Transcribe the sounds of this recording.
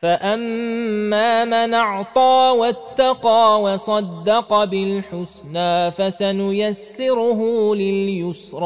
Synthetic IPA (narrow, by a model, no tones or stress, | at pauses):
faʔamː | aːmanɑʕt̪ˤɑːwat̪ːɑqɑːwɑsˤɑd̪ːɑqɑbɪlħʊsnaːfasanʊjasːɪɾʊɦʊlɪljʊsɾˤɑː